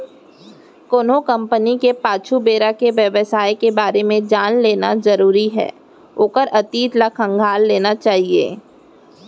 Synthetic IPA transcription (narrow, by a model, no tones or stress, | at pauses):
koːnokɐ̃mpənikepaːt͡ʃʰubeːɾakeʋjɐʋəsaːjkebaːɾemẽd͡ʒaːnleːnazɐɾuːɾiɦɛ̰ː | oːkəɾʔɐt̪iːt̪lɐkʰɐ̃ŋɡʱaːlːeːnat͡ʃaːɦiḛː